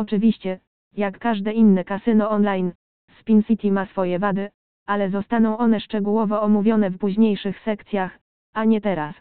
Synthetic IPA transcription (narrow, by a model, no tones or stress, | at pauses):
ɔt͡ʂɘvʲiɕt͡ɕɛ | jakːaʐd̪ɛinːɛkasɘnɔɔnlajn | spʲinsʲit̪ʲimasfɔjɛvad̪ɘ | alɛzɔst̪anɔ̃w̃ɔnɛʂt͡ʂɛɡuwɔvɔɔmuvʲjɔnɛfpuʑɲejʂɘxsɛkt̪sʲjax | aɲɛt̪ɛɾas